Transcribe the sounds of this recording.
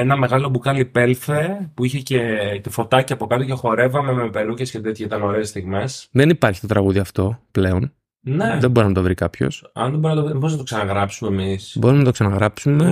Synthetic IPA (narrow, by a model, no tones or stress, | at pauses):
enɐme̞ɣɐlo̞bukɐlipe̞lθepuiçe̞ce̞t̪ifo̞t̪ɐciɐpo̞kɐt̪oce̞xo̞ɾe̞vɐme̞mepeɾucescet̪et̪çeit̪ɐno̞ɾeːst̪iɣme̞sðenipɐɾçi̥t̪ot̪ɾɐɣuðiɐft̪o̞ple̞o̞n | neðemboinɐt̪ovɾikɐpço̞̰sɐ̰nðeboɾinɐt̪oviboiznɐt̪oksɐnɐɣɾɐpsumemisbo̞ɾimenɐt̪oksɐnɐɣɾɐpsume̞